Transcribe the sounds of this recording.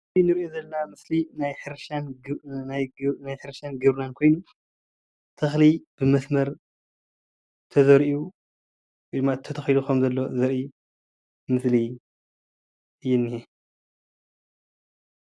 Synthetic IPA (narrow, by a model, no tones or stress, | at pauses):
inɨɾʔozɐlɐnamɨslinajħɨɾʃannnajħɨɾʃanɡɨβɾnankʰo̞jnu | t̪ʰɨxlib̥ɨmɐsmɐɾ | t̪ʰɐzɐɾʔu | wjd̪ɨmːat̪ʰɐt̪ʰɐxilukʰɐmzɐlːo̞zɐɾʔi | mɨsli | ʔɨjːɛnːije